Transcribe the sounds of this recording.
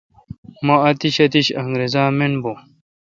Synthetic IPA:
mɐɐt̪iɕɐt̪iɕɐŋɡɾezaːmenbo

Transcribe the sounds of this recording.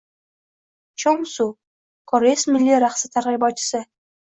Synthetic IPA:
t͡ʃʰoŋsu | kʰɒɾesmɪlːiɾaχsɪt̪ʰaɾʁijbɒt͡ʃʰːɪ̥sɪ

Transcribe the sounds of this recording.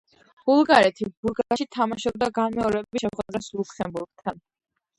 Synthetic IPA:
b̥ulˠɡaɾɛt̪ʰibulɡaʃit̪ʰamaʃɔbd̪aɡanmɛɔɾɛbɛbiʃɛχwɛd̪̥ɾɛslukʰɛmbuɾɡ̚t̪ʰan

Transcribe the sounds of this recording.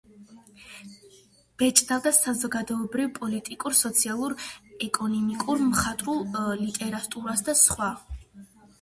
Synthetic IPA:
b̥ɛt͡ʃʼd̪avd̪asazɔɡad̪ɔɛbɾivpʼɔlit̪ʼikʼuɾsɔt̪sʰialˠuɾɛkʼɔnɔmikʼuɾmχat̪ʼɾulˠlit̪ʼɛɾat̪ʼuɾasd̪asχwa

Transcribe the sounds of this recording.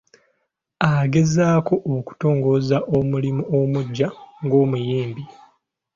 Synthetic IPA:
aɡe̞zaːko̞ʔoku̥to̞ːŋɡo̞zaʔomulimuomuɟːaŋɡo̞ːmujeːmbi

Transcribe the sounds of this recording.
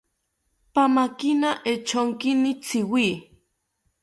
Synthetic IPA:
pamakinaʔet͡ʃʰoŋkinit͡sʰiwi

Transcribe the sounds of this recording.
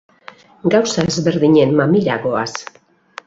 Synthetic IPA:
ɡawsaezβe̞ɾðiɲe̞nmamiɾaɣo̞a̰s

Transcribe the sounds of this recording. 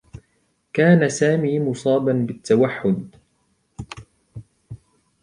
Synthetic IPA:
kaːnasaːmiːmʊsˤɑːbanbɪt̪ːawaħːʊd̪

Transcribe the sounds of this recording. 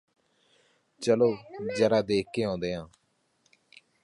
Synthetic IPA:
t͡ʃəloːd͡ʒəɾaːd̪eːkʰːeːɦõːnd̪eːɦãː

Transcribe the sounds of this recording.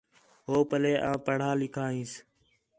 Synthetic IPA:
ɦoːpəleːʔãːpəɽ̤aːlɪkʰaːɦĩːs

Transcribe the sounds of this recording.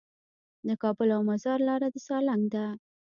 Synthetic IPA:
d̪əkɑbʊlawmazɑɾlɑɾad̪əsɑlaŋɡd̪a

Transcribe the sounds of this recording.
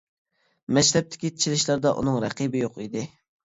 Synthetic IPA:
mɛd͡ʒt̪ʰɛp̚t̪ʰɪ̥kʲit̪ʰi̥t͡ʃʰilɪʃlˠɑɾd̪ɑʔṵnɨŋɾɛqibɪjoqid̪ɪ

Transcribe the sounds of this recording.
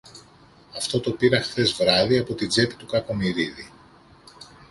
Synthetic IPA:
ɐft̪o̞t̪o̞piɾɐxθe̞zvɾɐðiɐpo̞t̪id͡ze̞t̪i̥t̪ukɐko̞miɾiði

